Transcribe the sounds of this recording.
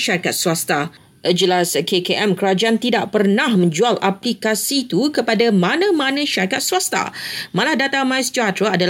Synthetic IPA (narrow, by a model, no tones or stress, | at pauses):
ʃaɾikat̪̚suast̪a | ʔəd͡ʒəlaskʰekeʔɛmkəɾad͡ʒaant̪idaʔpərnãhmə̃ɲd͡ʒualaplikasit̪ukəpadamãnãmãnãʃaɾikat̪̚suast̪a̰mãlahdat̪amãjsd͡ʒat̪ɾəadal